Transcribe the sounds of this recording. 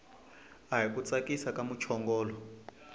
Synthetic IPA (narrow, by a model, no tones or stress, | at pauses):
aɦikut͡sakisakamut͡ʃʰɔŋɡɔːlɔ